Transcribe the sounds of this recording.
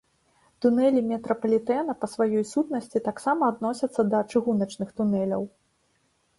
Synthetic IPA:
t̪unɛlʲimʲɛt̪ɾɐpɐlʲit̪ɛnɐpɐsvajɔjsut̪nɐsʲt͡sʲit̪aksamɐːd̪nɔsʲɐt̪sːɐd̪ɐt͡ʂɨɣunɐt͡ʂnɨxt̪unɛlʲɐ̰w

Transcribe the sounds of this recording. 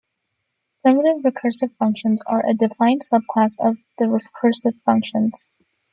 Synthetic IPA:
pʰɹ̥ɪməɾɨvɹɨkʰɜ˞sɨv̥fʌ̃ŋkʃə̃nzə˞ʔɨ̰dɨfãɪ̃nsʌb̚kʰl̥æsʌvðɨɹɨkʰɜ˞sɨv̥fʌ̃ŋkʃə̃nz̥

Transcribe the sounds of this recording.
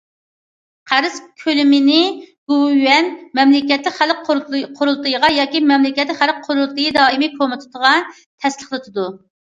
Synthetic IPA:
qʰæɾɨz̥kʲʰølɪmɪnɪɡ̥uwɛnmɛmlɪkʲɛt̪lɪkʲχælqʰoɾulˠt̪ɨjʁɑjɑːkʲimɛmlɪkʲɛt̪lɪχæl̚qʰːoɾulˠt̪ɨjid̪ɑːimɪkʰomɨt̪ʰɨ̥t̪ʰəʁɑ | t̪ʰɛslˠəχlɨt̪ʰɨd̪u

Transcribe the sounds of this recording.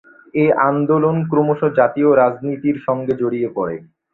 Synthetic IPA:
eand̪olonkɾomoʃod͡ʑat̪ioɾad͡ʑnit̪iɾʃɔŋɡed͡ʑoɽiepɔɽḛ

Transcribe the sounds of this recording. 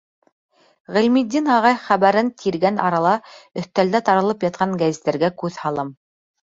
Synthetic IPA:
ʁɘ̆lmid̪ʲːinɑʁɑjχæβæɾɘnt̪ʰiɾɡænɑ̰ɾɑlˠɑɵ̆θt̪æld̪æt̪ɑɾɤ̆lˠɤpjɑt̪̚qɑŋɡæzit̪ːæɾɡækʉðhɑlˠɤm

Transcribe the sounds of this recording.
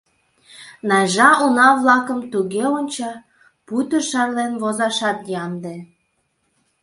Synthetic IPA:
nɑʒɑʔunɑβlɑkəmt̪uɣeonʲt͡ɕɑ | put̪əʃɑrlenβozɑʃɑt̪jɑnd̪e

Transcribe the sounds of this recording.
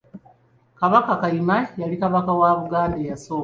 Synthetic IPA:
kaβakakaimajalikaβakawaβuɡaːndejasoː

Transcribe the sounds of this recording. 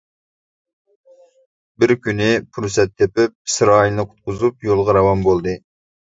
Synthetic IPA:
bɪɾkʲynɪpʰuɾsɛt̪ʰːepɪp̚sɾɑːjilˠnɨqʰʊ̥t̪̚qʊzupjolˠʁɑɾɑwɑmbolˠd̪ɨ

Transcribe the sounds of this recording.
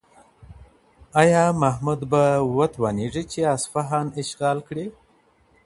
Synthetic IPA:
ajɑmaɦmud̪bawat̪waniʐit͡ʃeasfaɦɑnɪʃɣɑːlkɽe

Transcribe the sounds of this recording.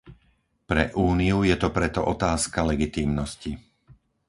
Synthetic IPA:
pɾɛ̰ʔuːnijujɛt̪ɔpɾɛt̪ɔʔɔt̪aːskalɛɡit̪iːmnɔsci

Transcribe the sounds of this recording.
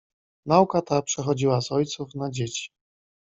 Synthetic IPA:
naukat̪apʂɛxɔd͡ʑiwazɔjt̪sufnad͡ʑet͡ɕi̥

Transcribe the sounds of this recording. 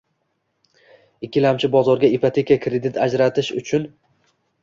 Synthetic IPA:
ɪkʲʰːɪlamt͡ʃʰɪbɒzɒɾɡʲaipʰat̪ʰe̞kʲakʰɾe̞d̪ɪt̪ʰad͡ʒɾat̪ʰɪʃʊ̰t͡ʃʰʊn

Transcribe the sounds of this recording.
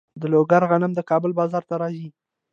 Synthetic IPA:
d̪əloɡaɾɣanəmd̪əkɑbəlbɑzɑɾt̪aɾɑzi

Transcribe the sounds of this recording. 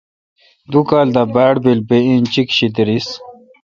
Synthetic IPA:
d̪ukaːld̪abaːɽbilbeĩnt͡ɕikɕid̪iɾis

